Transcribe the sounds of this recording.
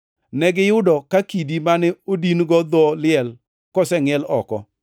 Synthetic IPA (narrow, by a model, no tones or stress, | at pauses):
nɛɡɪjʊdɔkakidimanɛodinɡɔd̪ɔlɪɛl | kɔsɛŋɛlɔkɔ̰